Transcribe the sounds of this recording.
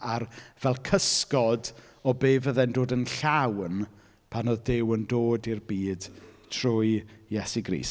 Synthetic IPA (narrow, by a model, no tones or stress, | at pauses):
arvɛlˠkʰəskɔd | ɔbeːvəðɛndoːdənɬawn | pʰanɔðdɪwəndoːdirbiːd̥tʰrʊjjɛsiɡrḭːs